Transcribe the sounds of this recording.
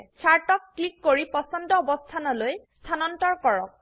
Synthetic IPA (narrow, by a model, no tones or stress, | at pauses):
t͡ʃʰaɹtɔkːlikːoɹipɔsɔndɔːbɔst̪ʰanɔlojst̪ʰanɔntɔɹkɔɹɔk̚